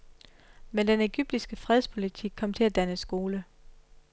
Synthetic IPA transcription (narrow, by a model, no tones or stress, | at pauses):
mend̥ene̝ɡ̥yb̥̚d̥isɡ̥əfʁɛðˠspʰo̝lit͡sʰiɡ̥̚kʰɒ̽m̰t͡sʰe̝læd̥ænəsɡ̥o̝ːlə